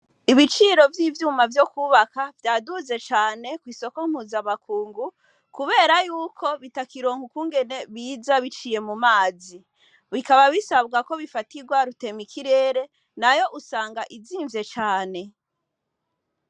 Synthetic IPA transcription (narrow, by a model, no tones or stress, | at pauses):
iβit͡ʃiɾo̞vjiːvjuːmavjokuːβakavjaːduze̞t͡ʃaːne̞kwiːso̞ko̞ŋ̥huːzamakʰuːŋɡu | kuβe̞ːɾajuːkʰo̞βitakiɾo̞ːŋhukuːŋɡe̞ne̞βiːzaβit͡ʃije̞mumaːzi | βikaβaβisaβ̚ɡako̞βifatiɡwaɾute̞mikʰiɾe̞ːɾe̞ | najo̞ʔusaːŋɡaʔiziːɱvje̞t͡ʃaːne̞